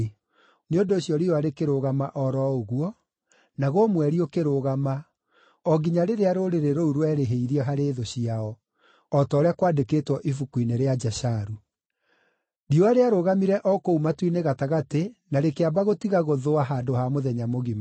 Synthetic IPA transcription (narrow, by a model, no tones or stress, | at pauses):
neondoːɕjɔɾioaɾekeɾoɣamaʔɔɾɔoɣwɔ | naɣomwɛɾiokeɾoɣama | ɔɡiɲaɾeɾeaɾoɾeɾeɾouɾoɛɾeɦeiɾiɛɦaɾeðoɕiaɔ | ɔtɔːɾeakwaːdekeːtwɔʔifukuineɾead͡ʒaɕaɾu | dioaɾeaɾoɣamiɾɛʔɔkoumatwineɣataɣatenaɾekeabaɣotiɣaɣoðoaɦaːdohamoðɛɲamoɣima